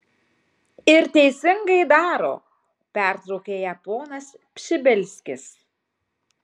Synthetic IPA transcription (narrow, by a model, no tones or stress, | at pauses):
ɪɾt̪ʲɛɪsʲɪŋɡɐɪd̪ɑːɾo̰ː | pʲæˑɾt̪ɾɐʊkʲeːjɛt̪oːnɐs | pʲʃʲɪbʲɛlʲsʲkʲɪs